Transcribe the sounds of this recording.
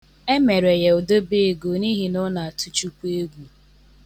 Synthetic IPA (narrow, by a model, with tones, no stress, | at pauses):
e˦me˨ɾe˨je˨o˨do˦be˦e˨ɡo˨ni˦ɦi˨nʊ˦na˨a˨tu˦t͡ʃu˦kʷe˦ɡʷu˦